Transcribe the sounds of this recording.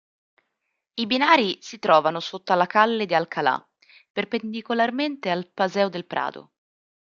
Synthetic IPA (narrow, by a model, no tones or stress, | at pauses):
ibinaːɾisit̪ɾɔːvanosot̪ːalakalːed̪ialkʰala̰ | perpend̪ikolarment̪ealpazɛːod̪elpɾʔa̰ːd̪o̰